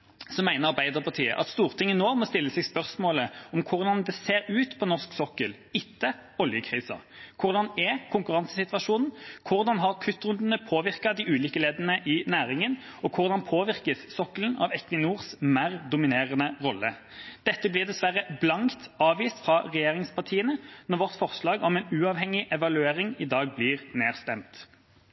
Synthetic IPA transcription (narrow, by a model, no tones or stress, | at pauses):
sɔmæɪnəʁɑʁbæɪd̪əʁpʰɑʁt̪ʰiːə̰ʔɑ̰t̪st̪uːʁt̪ʰɪŋːənoːmɔst̪ɪlːəsɛɡspœʁsmoːləɔmkʰʊʁd̪ɑnd̪ɛseːɾʉːt̪pʰɔnɔʁsksɔkːəl | ɪt̪ʰːəɔljəkʰʁiːsɑ̰kʰʊʁd̪ɑnɛkʰʊŋkʉʁɑnsəsɪt̪ʋɑʂuːnn̩kʰʊʁd̪ɑnɦɑʁkʰʉt̪ːʁʉnd̪n̩əpʰoːʋɪʁkɑd̪ɪʔʉːliːkəleːd̪ənəʔɪnæːʁɪŋən | ɔkʰʊʁd̪ɑnpʰoːʋɪʁkəssɔkːəlnɑ̰ʋɛkʋɪnuːʁsmæːʁd̪ʊmɪneːʁənəʁɔlːə | d̪̥ɛt̪ːəblɪːʁd̪ɛsʋæʁːəblɑŋkt̪ɑːʋʋiːst̪fʁɑʁɛjeːʁɪŋspɑʁt̪ʰiːənənɔʁʋɔʁt̪fɔʁslɑːɡɔmɛnʉːɑːʋhɛŋːɪʔɛʋɑlʉeːʁɪŋɪd̪ɑːɡ̚bliːʁneːʁst̪ɛmt̪